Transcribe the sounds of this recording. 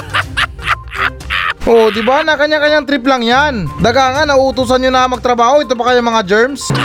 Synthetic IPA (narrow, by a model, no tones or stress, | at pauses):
ʔod̪ɪbanɐkɐɲːaŋkɐɲːaŋt̪ɾɪp̬lɐŋjand̪ɐɡaːŋɐnɐʔʊt̪uːs̬ɐnɲonɐmɐɡ̚t̪ɾɐbaːhoʔɪt̪opɐkɐjoŋmɐŋad͡ʒɛɹms